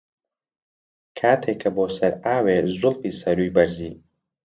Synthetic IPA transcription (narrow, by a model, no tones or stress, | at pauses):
kʰaːt̪ʰeːkʰɐboːsɐɾaːweːzʊlfiːsɐɾuːjbɐɾziː